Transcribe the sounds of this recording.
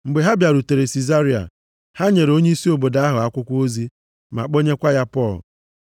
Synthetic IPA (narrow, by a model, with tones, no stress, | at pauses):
ŋ͡m̩˨ɡ͡be˨ɦa˦bja˨ɾu˨te˨ɾe˨si˨za˦ɾi˦a̰˨ | ha˦ɲe˨ɾo˦ɲe˦i˦si˦o˨bo˨da˨˦a˦ɦʊ˨a˦kʷʊ˦kʷo˦zi˦ | ma̰˨k͡po˦ɲe˦kʷa˦ja˦pɔ˦˨l̰